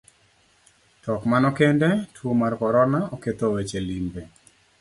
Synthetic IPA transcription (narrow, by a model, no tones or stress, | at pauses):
tɔkmanɔkɛndɛtwomarkɔɾɔnaɔket̪owet͡ʃelimbe